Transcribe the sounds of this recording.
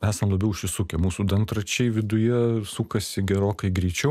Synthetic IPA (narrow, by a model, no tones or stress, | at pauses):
æːsɐmlˠɐbʲɛʊʃʲʋʲɪsuːkʲɛmuːsuːd̪ɐnt̪ɾɐt͡ʃʲɛɪʋʲɪd̪ʊjɛsuːkɐsʲɪɡʲɛɾoːkɐɪɡɾʲɛɪt͡ʃʲɛʊ